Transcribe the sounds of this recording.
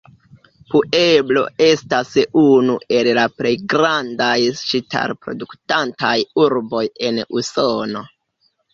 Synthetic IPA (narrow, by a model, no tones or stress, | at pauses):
puʔe̞blo̞̰e̞stasunue̞llaple̞jɡɾandajʃitʰa̰ɾpɾo̞̰duktantajuɾbo̞je̞nṵsono̞